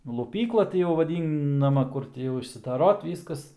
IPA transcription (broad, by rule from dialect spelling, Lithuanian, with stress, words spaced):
lˠʊˈpʲiːklˠɐ ˈtʲɪ jɛʊ ʋɐˈdʲiːnɐmɐ ˈkʊr tʲɪ jɛʊ ɪʃʲsʲɪdɐˈroːt ˈʋʲiːskɐs